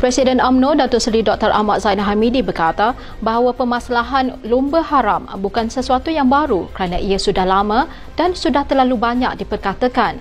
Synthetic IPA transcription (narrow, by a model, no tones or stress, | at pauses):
pɾɛsidənamnõdat̪ʊʔsɾidɔk̚t̪əɾʔa̰maʔzainɦamidibərkat̪a | baɦawapəmãsalaɦanlumbəɦaɾambukansəsuat̪ujaŋbaɾukəɾanãʔiasudahlamã | dansudaht̪əlalubaɲa̰k̚dipərkat̪akan